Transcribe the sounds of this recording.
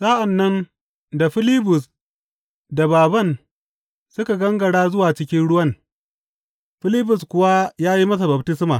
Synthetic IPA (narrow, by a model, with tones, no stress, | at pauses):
saː˦ʔa˨nːɐ˦n | da˨ɸɪ˦lɪ˦bʊ˨s | da˨baː˨bɐ˦˨n | sʊ˦ka˨ɡɐ˦ŋɡɐ˨ɽaː˦zʊ˦waː˨t͡ʃɪ˦kʲɪ˦nɽʊ˦wɐ˦n | ɸɪ˦lɪ˦bʊ˨skʷʊ˦wa˦jaː˦ji˦mɐ˦s̬a˨bɐ˨btɪ˦smaː˨